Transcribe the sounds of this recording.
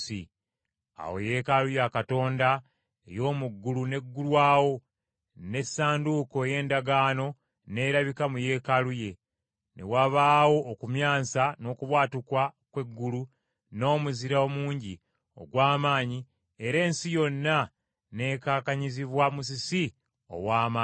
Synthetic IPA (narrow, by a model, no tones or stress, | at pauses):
sḭ | a̰wo̞̰je̞kalujakato̞ːnda | ḛjo̞ːmuɡːulune̞ɡːulwaːwo̞ | ne̞sːaːnduko̞eje̞ːndaɡaːno̞ | ne̞ːɾaβikamuje̞kaluje̞ | nḛwaβaːwo̞ʔːkumjaːnsano̞ːkuβwaːtukwakwe̞ɡːulu | no̞ːmuziɾaomuːɲɟi | o̰ɡwaːmaːɲi | eɾe̞ːnsijo̞nːa | ne̞ːkaːkaɲiziβwamus̬isi | o̞̰waːmaː